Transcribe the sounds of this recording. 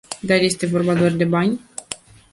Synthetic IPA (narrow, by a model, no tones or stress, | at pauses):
d̪arje̞st̪e̞vo̞rbad̪arʲd̪e̞banʲ